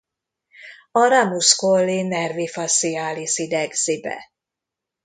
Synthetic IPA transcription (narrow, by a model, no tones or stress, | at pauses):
ɒɾamuskolːinɛrvifasiaːlisid̪ɛɡz̥ibɛ̰